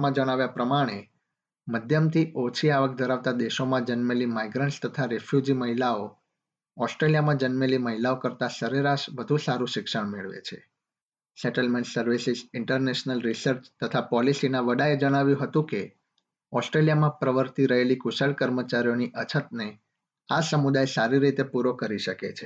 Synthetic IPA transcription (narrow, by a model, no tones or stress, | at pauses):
mãd͡ʒəɽ̃aʋjapɾəmaɽ̃e | məd̪ʱjəmt̪ʰiʔot͡ʃʰiaʋək̚d̪ʱəɾaʋt̪ad̪eʃomãd͡ʒənmelimaiɡɾə̃ɳʈst̪ət̪ʰaɾefʰjud͡ʒiməɦilao | ɔsʈɾelijamãd͡ʒənmeliməɦilaokəɾt̪asəɾeɾaʃʋəd̪ʱũsaɾũʃɪkʃəɳ̃meɭʋḛt͡ʃʰḛ | sɛʈəlmẽɳʈsəɾʋisizɪɳʈəɾneʃnəlɾisəɾt͡ʃt̪ət̪ʰapɔlisinaʋəɖaed͡ʒəɽ̃aʋjũɦət̪ũke | ɔsʈɾelijamãpɾəʋəɾt̪iɾəɦelikusəɭkəɾmət͡ʃaɾijoniʔət͡ʃʰət̪̚ne | asəmud̪ajsaɾiɾit̪epuɾokəɾiʃəket͡ʃʰe̥